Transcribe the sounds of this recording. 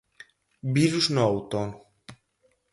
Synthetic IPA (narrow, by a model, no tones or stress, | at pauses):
biɾusnɔwt̪on